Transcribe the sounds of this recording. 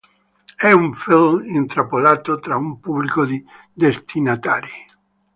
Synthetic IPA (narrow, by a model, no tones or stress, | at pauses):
ɛuɱfilmint̪ɾapolaːt̪ot̪ɾaumpublikod̪i | d̪est̪ʰinat̪aːɾi